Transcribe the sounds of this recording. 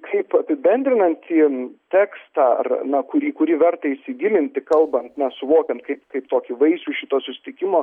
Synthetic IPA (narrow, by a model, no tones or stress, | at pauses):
kʰɐɪpɐpʲɪbʲɛnʲd̪ʲɾʲɪnɐnʲt̪ʲt̪ʲiːt̪ʲæːkst̪ɑːɐ̰rnɐkʊɾʲiːkʊɾʲiʋʲɛrt̪ɐɪɪʃʲsʲɪɡʲɪlʲɪnʲt̪ʲɪkɐlˠbɐnt̪nʲɐsʊʋoːkʲɛnt̪kɐɪpkɐɪpt̪oːkʲɪʋɐɪsʲuːʃʲɪt̪oːsʊsʲɪ̥t̪ʲɪkʲɪmoː